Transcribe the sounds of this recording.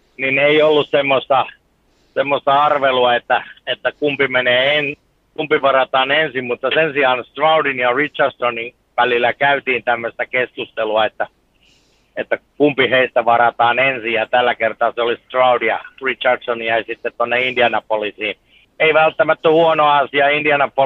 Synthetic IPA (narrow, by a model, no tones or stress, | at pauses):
nineiolːussemːost̪ɑ | semːost̪ɑɑrʋeluɑet̪ːæet̪ːækumpimeneːen | kumpiʋɑrɑt̪ɑːnensimmut̪ːɑsensiɑnst̪rɑudinjɑrit͡ʃɑrdsonin | ʋælilːˑækæyt̪iːnt̪æmːøst̪ækeskust̪eluɑet̪ːæ | et̪ːækumpiheist̪æʋɑrɑt̪ɑːnensijjɑt̪ælːækert̪ɑseolist̪rɑudijɑ̰rit͡ʃɑrdsonjæisit̪ːet̪t̪onːeindiɑnɑpolisiːn | eiʋælt̪ːæmæt̪ːæhuonoɑɑsiɑindiɑnɑpo